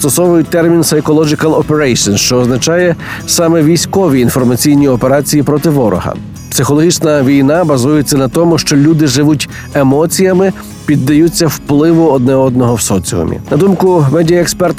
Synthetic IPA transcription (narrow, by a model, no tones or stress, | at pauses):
st̪ɔsɔʋʊjʊj̚ʲt̪ɛrmʲinsɐjkɔlˠɔd͡ʒɪkɐlˠɔpeɾɛsɔnʃt͡ʃɔːznɐt͡ʃɑjɛsɑmɛʋʲijsʲkɔʋʲiːnfɔrmɐt͡sʲijnʲiɔpeɾɑt͡sʲijipɾɔt̪ɪʋɔɾɔ̰ɦɐ̰ | psɪxɔlˠɔɦʲit͡ʃnɐʋʲijnɑbɐzujet͡sʲːɐnɐt̪ɔmʊʃt͡ʃɔlʲud̪ɪʒɪʋutʲ | emɔt͡sʲijɐmɪ | pʲid̪ːɐjut͡sʲːɐwplˠɪʋʊɔd̪̚nɛɔd̪̚nɔɦɔwsɔt͡sʲiʊ̰mʲḭnɐd̪umkʊmɛdʲijɐekspɛrt̪